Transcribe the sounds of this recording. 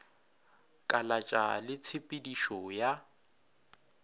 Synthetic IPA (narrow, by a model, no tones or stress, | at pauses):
kʼalat͡ʃʼalɪt͡sʰɪpʼediʃɔja